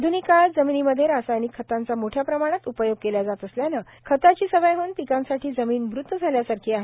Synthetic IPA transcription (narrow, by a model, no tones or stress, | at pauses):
d̪ʱunikald͡zəminiːməd̪ʱjeɾasajnikʰːət̪ant͡samoʈʰjapɾəmaɽ̃at̪upəjoɡ̚keljad͡zat̪əsljana | kʰət̪at͡ɕiːsəʋəjɦəːnpikãnsaʈʰiːd͡zəmiːnʋɾut̪ːəd͡zʱaljasaɾkʰiːaɦe